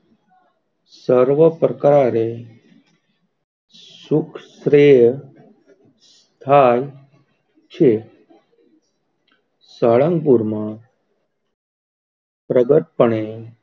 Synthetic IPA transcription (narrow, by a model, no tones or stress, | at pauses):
səɾʋəpɾəkɾaɾe | sukʰsɾe | s | t̪ʰaːj | t͡ʃʰe | saɭəŋɡpuɾma | pɾəɡəʈ̪̚pəɳe